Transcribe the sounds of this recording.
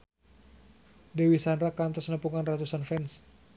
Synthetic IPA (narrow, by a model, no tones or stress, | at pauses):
dewisanɾakant̪ɔsnəpuŋanrat̪usanfɛns